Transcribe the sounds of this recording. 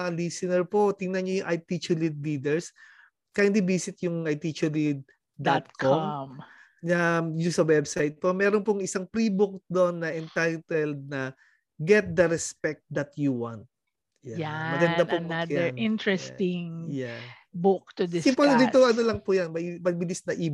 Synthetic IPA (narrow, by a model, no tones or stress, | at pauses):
lisɪnɛɹpot̪ɪŋnɐnɲojʊŋʔɐjt̪it͡ʃɛlid̪̚lid̪ɛɹs | kɐjɪnd̪ibiːsɪt̪̚jʊŋɐjt̪it͡ʃɛlid̪̚ | d̪at̪̚kʰomm | nɐjʊsɐwɛbsajt̪̚pomɛːɾonpʊŋɪsɐŋpɾiːbʊk̚d̪onːɐʔɛnt̪ajt̪ɛld̪̚nɐ | ɡɛt̪̚d̪ɐɾɛspɛk̚t̪̚d̪ɐt̪juwant̪̚ | jajammɐɡɐnd̪apʊŋbɐjɪ̃ntɹɛst̪ɪŋja | bʊk̚t̪ʊd̪ɪsɪpod̪it̪oʔɐnolɐŋpʊjɐnmɐimɐɡ̚bɪlisnɐʔiːb